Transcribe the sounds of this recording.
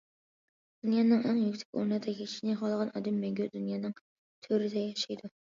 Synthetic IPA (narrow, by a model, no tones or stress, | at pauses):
d̪̥unjɑːnɨŋæŋjykʲsʰɛ̥kʲo̰ɾnɨd̪ɑkʲʰeʃinɪχɑlˠəʁɑnʔɑ̰ːd̪ɛmːɛŋɡʲyd̪unjɑːnɨŋ | t̪ʰøɾɪd̪ɛjɑʃɑjd̪u